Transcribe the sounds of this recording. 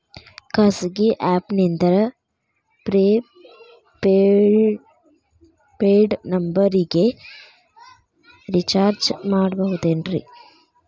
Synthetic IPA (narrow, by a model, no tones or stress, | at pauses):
kɐsɡiʔaːpnind̪ɐɾɐ | pɾe | p | peːɖnɐmbɐɾiɡe | ɾit͡ʃaːɾd͡ʒmaːɖbɐɦut̪eːnɖɾḭ